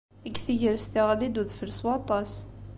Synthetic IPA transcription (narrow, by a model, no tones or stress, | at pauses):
əɡθəʝəɾst̪iʁlid̪uðfələswɑt̪ˤɑs